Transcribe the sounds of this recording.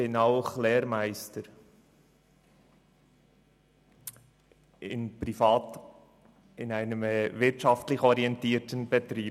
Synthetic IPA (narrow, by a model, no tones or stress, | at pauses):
ɪnɑʊχlɛːɾmæɪstəɾ | ɪ̰npɾifɑːt | ɪnæɪnəmɛvɪɾtʃɑftlɪχɔɾiɛntiːɾtənb̥ɛt̪ɾiː